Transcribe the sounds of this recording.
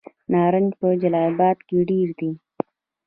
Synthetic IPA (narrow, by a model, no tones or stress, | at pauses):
nɑːɾənd͡ʒpəd͡ʒalɑjbɑːd̪keɖiɾd̪i